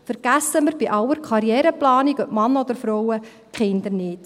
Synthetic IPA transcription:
fəɾɡ̥æsːəməɾb̥iʔɑwəɾkʰχɑɾjɛːɾəplɑːniɡœʔmɑnːəɔd̪əɾfɾɔwə | kχɪnd̪əɾnɪːt

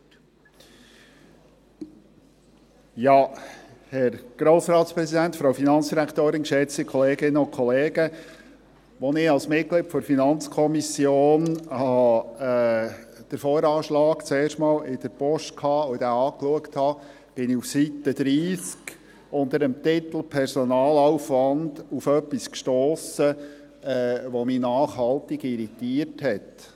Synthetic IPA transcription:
jɑːhɛɾɡ̥ɾoːsɾɑːt̪spɾɛzidæntfɾoʊfinɑnt͡ssd̥iɾækt̪oːɾɪnkʃɛt͡sikʰɔleːɡɪnːəʊnkʰɔleːɡ̥ə | ʋɔnɪɑlsmɪt̚kliːtfɔɾfinɑnt͡skʰɔmisjoːnhɑɑ | d̥əɾfɔːɾɑːʃlɑːkt͡seːɾʃtmɑːlɪd̥̪əɾpɔʃt̚kʰhɑːʊd̥̪æɑːkluəkthɑ | b̥ɪniufsit̪əd̥̪ɾiːsk | ʊnd̪əɾəmt̪ɪt̪l̩pʰɛɾsɔnɑːlawfʋɑnd̥ufœpːiskʃtoːsə | ɛʋɔminɑːχhɑlt̪ɪɡ̥iɾit̪iərthɛt

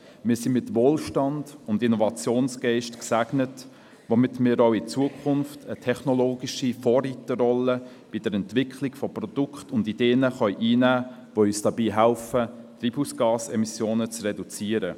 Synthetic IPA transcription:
mɪːɾsimɪtʋoːlʃtɑnd̥ʊndinɔvɑt͡sjoːnsɡ̥ɛɪʃtksæɡnət | ʋomɪtmɪːɾoʊɪt͡suəkʰχʊnftʰətʰɛχnɔloːɡiʃifɔːritəɾɔlə | b̥id̥əɾɛntvɪkʰχlɪɡfɔprɔd̥ʊkχtʊndid̥eːnəχœʏʔiːnæː | ʋoyːsd̥ɑbiːɦælfət̪ɾiːbusɡ̥ɑːsɛmisjoːnət͡srɛdut͡siəɾə

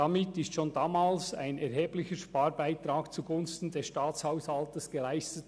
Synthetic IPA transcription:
d̥amɪtɪstʃoːndaːmaːlsa̰ɪnɛɾɦeːblɪçəʃpaːɾbaɪt̪ɾaːkt͡suɡʊnstn̩dɛsʃtaːt͡shaʊshaltəsɡ̥əlaɪstət

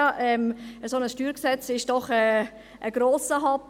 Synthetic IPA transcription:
ʔɛməsonəsʃtyːɾksɛt͡sɪʃd̥ɔχɛ | ʔəɡ̥ɾoːsəɦɑp

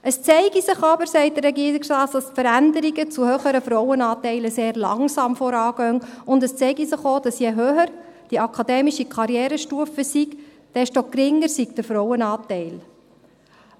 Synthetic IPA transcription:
ʔəst͡sɛɪɡisɪχɑbəɾsɛɪt̚d̥əɾrːɛɡiəɾikstɑːtd̥ɑsfəɾændəɾiɡət͡suhøːχəɾəfɾɔwənɑːtɛɪləseːɾlɑ̰ŋsɑːmfɔɾɑːɡ̥œŋʊndəst͡sɛɪɡisɪχoːd̥ɑsjɛɦøːhəɾ | d̥iɑkʰɑdɛːmiʃikʰɑɾjɛːɾəʃtuəfəsik | d̥ɛʃtɔkɾɪŋːəɾsikd̥əfɾɔwənɑːtɛɪl

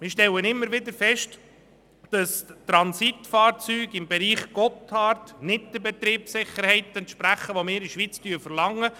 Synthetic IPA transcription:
mɪːɾʃtɛlənɪmːəɾʋɪd̪əfɛʃt | d̥ɑst̪ɾɑnsitfɑːɾt͡syːɡɪmbɛɾiːχɡ̥ɔthɑːrtnɪd̚d̥̪əbɛt̪ɾiːpsɪχəɾhɛɪt̪ɛntʃpɾæχəʋomɪːɾiʃʋit͡styːfəɾlɑŋːə

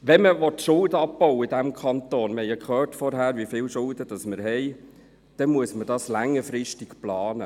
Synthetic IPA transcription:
ʋɛməʋɔtʃʊldəɑp̚pɔʊwəidæmkʰɑnt̪oːnməhɛɪəkχœːrtfɔɾɦæːɾʋifɪːlʃʊld̥əd̥ɑsməɾɦɛɪ | d̥ɛmuəsmədɑslæŋːəfɾɪʃtɪkplɑːnə

